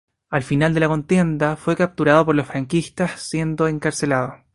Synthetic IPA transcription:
alfinald̪elako̞nt̪je̞nd̪afwe̞kap̚t̪uɾaðopo̞ɾlosfɾaŋkist̪assje̞nd̪oeŋkaɾse̞laðo

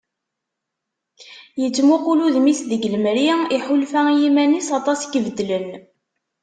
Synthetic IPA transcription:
jət͡sːmuquluðmisðəɡələmɾiiħʊlfæjimænisɑt̪ˤɑsɡəvd̪ːlən

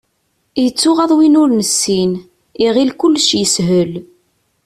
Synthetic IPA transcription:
jət͡sːʊʁɑðˤwinʊɾnəsːin | iʁilkʊlːʃjəshəl

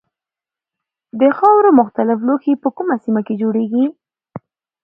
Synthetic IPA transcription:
d̪əxɑwɾomʊxt̪alɪf̬loxipəkumasimaked͡ʒoɽeɡi

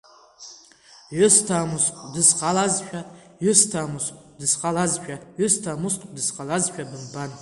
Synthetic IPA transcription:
ʕʷʊstʰamusqʼdɨsqʰʼalazʃʷᶣa | ɥʊstʰamusqʼdɨsqʼalazʃᶣʰʼaʕʊstʰamusqʼdɨsqʼalazʃᶣʰʼadɨmban

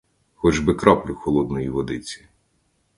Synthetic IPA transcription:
xɔd͡ʒbɪkɾɔplʲʊxɔlˠɔd̪nɔjiʋɔd̪ɪt͡sʲi̥

